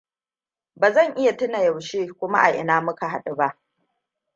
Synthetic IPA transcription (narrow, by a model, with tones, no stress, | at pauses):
baː˨zɐ˦˨ŋʔɪ˦ja˨tʊ˦na˨ja˨wʃeː˦kʷʊ˦ma˦ʔa˨ʔɪ˨naː˦mʊ˦ka˨ɦa˦ɗɪ˨ba˦ʔ